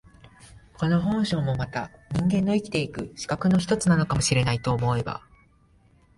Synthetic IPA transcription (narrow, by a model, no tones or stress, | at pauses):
ko̞no̞ɦõ̞ɰ̃ɕo̞ːmo̞mat̪aɲ̟ĩŋɡẽ̞nːo̞ikʲi̥t̪e̞ikɯ̟ɕi̥kakɯ̟noçi̥t̪o̞t͡sɨnano̞kamo̞ɕiɾe̞nait̪o̞ːmo̞e̞ba̰